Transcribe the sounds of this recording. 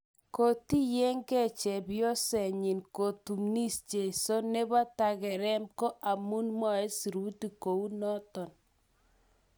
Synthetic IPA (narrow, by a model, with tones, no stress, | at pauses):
ko˨ti˦je˦ŋkɛ˦˨t͡ʃɛ˨bjo˦sɛ˨ɲɪ˨nko˨tu˨mni˦st͡ʃe˨so˦ne˦ba˦ta˨ɣɛ˨ɾɛ˦mko˦ʔa˨mu˦nmɔ˦˨e˦si˨ɾu˦ti˨ko˨u˦nɔ˦tɔ˨n